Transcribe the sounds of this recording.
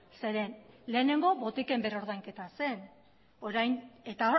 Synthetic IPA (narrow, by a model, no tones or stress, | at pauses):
se̞ɾe̞nle̞ːne̞ŋɡo̞bo̞t̪ike̞mbe̞ɾo̞ɾðajŋke̞t̪ase̞n | oɾajne̞t̪a